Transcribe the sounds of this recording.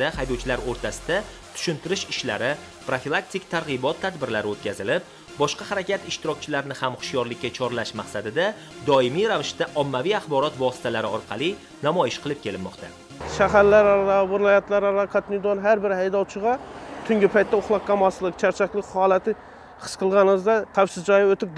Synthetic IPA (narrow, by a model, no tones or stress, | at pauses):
d̪ahajd̪ɒwt͡ʃʰɪlaɾoɾt̪ʰasɪd̪a | t̪ʰʊ̥ʃɪnt̪ʰɪɾɪʃɪʃla̰ɾɪ | pɾofilˠak̚t̪ʰɪkt̪ʰaɾʁɨbɒt̪ʰːad̪bɪɾlaɾɪot̪̚kʲʰazɪlɪp̚ | bɒʃqɑhaɾakʲat̪ɪʃt̪ɪɾɒkʲt͡ʃʰɪlaɾɪnɪhamχʊ̥ʃjɒɾlɪkʲːat͡ʃʰɒɾlaʃmaqsad̪ɪd̪a | d̪ɒɪmijɾavɪʃt̪aʔɒmːavijaχbɒɾɒt̪vɒsɪ̥t̪ʰalaɾɪɒɾqʰɑlˠi | namɒjɪʃqʰɨlˠɪp̚kʲʰe̞lɪmːɒqt̪ʰa | ʃaɦaɾlaɾaɾɑvɪɾlˠɒjat̪laɾaɾɑkʰat̪nɪd̪onɦaɾbɪɾhajd̪ɒwt͡ʃʰɪʁɑt̪ʰʊŋɡʲɪpʰajt̪ːaʊχlˠɑqqʰɑmaslˠɪk̚t͡ʃʰaɾt͡ʃʰakʲlɪkʲhɒlˠat̪ʰɪ | qʰɨ̥sqʰɨlˠʁɑnɪɨzd̪aqʰafsɪzd͡ʒɒjaot̪ɪp̪̚